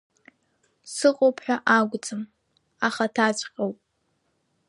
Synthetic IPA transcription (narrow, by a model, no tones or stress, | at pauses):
sɨqʼopʰħʷᶣaʔaɡʷʊt͡sʼɨm | aχatʰaːt͡ʃʷʼqʲʼawpʼ